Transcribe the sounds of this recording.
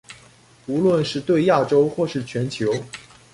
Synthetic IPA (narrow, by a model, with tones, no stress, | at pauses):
u˧˥lwə˥˧nʂɻ̩˥˧t̪we˥˧ɪja˥˩ʈ͡ʂo˥ʊxwɔ˥˧ʂɻ̩˥˩t͡ɕʰɥɛ˧˥nt͡ɕʰjo˧˥ʊ